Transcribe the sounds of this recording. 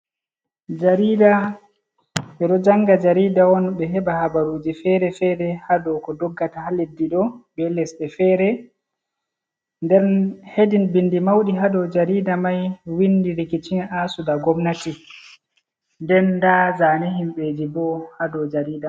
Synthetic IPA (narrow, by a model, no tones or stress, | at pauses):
d͡ʒaɾiːda | ɓɛɗɔd͡ʒaŋɡad͡ʒaɾiːdawɔnɓɛɦɛbahabaɾud͡ʒifɛɾɛfɛɾɛhadɔkɔdɔɡːatahaledːiɗɔbɛlɛsɛfɛɾɛ | ndɛɾnhedinbindimawɗiɦadɔd͡ʒaɾidamajwindiɾikit͡ʃinʔasudaɡɔmnati | ndɛndazaːnihimɓed͡ʒibɔhadɔd͡ʒaɾiːda